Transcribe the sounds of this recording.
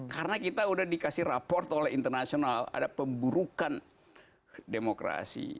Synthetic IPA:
kaɾənakit̪audahdikasɪhrapɔrt̪olɛɦint̪ərnasionala̰dapəmbuɾukan | demokɾa̰sḭ

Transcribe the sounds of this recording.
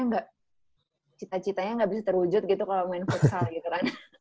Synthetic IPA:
ɲaŋɡaʔ | t͡ʃit̪at͡ʃit̪aɲaŋɡabisat̪ərud͡ʒʊt̪̚ɡit̪ukalomaɪnfut̪salɡit̪ukana

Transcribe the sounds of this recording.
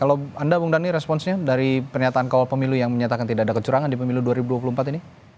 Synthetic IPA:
kalawandabuŋdaŋniɾɛspɔnsɲadaɾipərɲat̪aːnkawalpəmilujaŋməɲat̪akant̪idakadakət͡ʃuɾaŋandipəmiluduaɾibuduapulumpat̪ini

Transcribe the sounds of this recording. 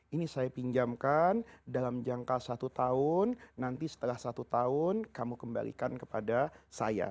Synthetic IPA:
inisajapiɲd͡ʒamkandalamd͡ʒaŋkasat̪ut̪aʊnːant̪isə̥t̪əlahsat̪ut̪aʊnkamukəmba̰lḭkankəpadasaja̰

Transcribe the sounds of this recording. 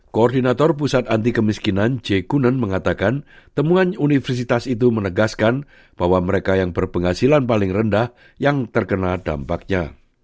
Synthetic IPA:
koɔrdinat̪ɔrp̬usat̪ant̪̬ikəmiskinand͡ʒekunənməŋat̪akant̪əmuanunifərs̬it̪asit̪̬umənəɡaskan | b̥aɦwaməɾekajaŋbərpəŋɦasilanpalɪŋrəndah | jaŋt̪ərkənada̰mpak̚ɲa

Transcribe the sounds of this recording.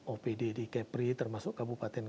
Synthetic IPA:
ʔopededikɛpɾit̪ərmasʊkkabupat̪ɛn

